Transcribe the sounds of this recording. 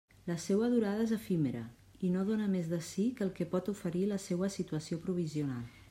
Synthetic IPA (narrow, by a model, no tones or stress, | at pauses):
ləsewəðuɾað̞əezəfimeɾə̰ | inoð̞onəmezðəsikəlˠkɛpɔt̪ufəɾiləsewəsit̪uəsiopɾuβ̞iziunalˠ